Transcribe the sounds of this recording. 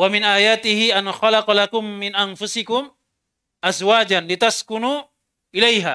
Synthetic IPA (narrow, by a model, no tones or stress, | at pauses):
wamɪnʔaːjaːt̪ɪhɪʔanxɑlɑqlakʊmːɪnʔanfʊsɪkʊm | ʔazwaːd͡ʒanlɪt̪askʊnuː | ʔɪlajɦa̰ː